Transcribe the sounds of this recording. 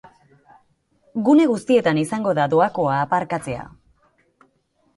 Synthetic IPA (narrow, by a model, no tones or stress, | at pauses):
ɡune̞ɣust̪ie̞t̪anisaŋɡo̞ðaðoako̞aːpaɾkat͡se̞a̰